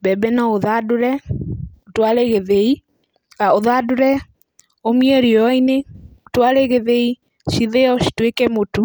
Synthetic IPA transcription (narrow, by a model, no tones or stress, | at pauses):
bɛbɛnɔoðadoɾɛotwaɾeɣeðei | ɣaoðadoɾɛ | omiɛɾiɔineotwaɾeɣeðei | ʃiðeɔʃi̥twekɛmotu